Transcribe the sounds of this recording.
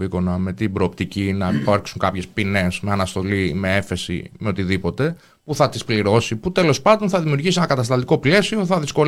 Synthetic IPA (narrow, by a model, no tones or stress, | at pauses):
iko̞nɐme̞t̪ibɾo̞ːpt̪icinɐfɐɾksuŋkɐpçe̞spine̞sme̞ɐnɐst̪o̞lime̞efe̞sḭme̞ot̪iðipo̞t̪e̞ | puθɐt̪ispliɾo̞siput̪e̞lo̞spɐnd̪o̞nθɐðimiuɾʝisienɐkɐt̪ɐst̪ɐnd̪iko̞ple̞sio̞θɐðisko̞